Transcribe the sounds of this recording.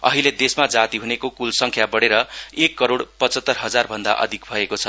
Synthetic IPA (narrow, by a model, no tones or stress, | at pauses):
ʌ̰ɦiled̪esmad͡zat̪iɦunekokulsʌŋkʰjabʌɽeɾʌekːʌɾoɽpʌt͡sʌt̪ːʌrɦʌd͡zarbʱʌnd̪a̰ʔʌ̰d̪ʱik̚bʱʌekot͡sʰʌ